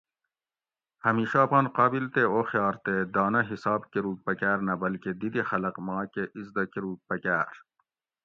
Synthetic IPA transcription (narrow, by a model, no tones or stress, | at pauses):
hɐmiːʃaːpaːnqaːbilt̪eoːxjɑːɾt̪ed̪aːnɐɦisɑːbkeɾuːk̚pɐkæːɾnɐbɐlked̪id̪ixɐlɐqmaːkeʔizd̪ɐkiɾuːk̚pɐkæːɾ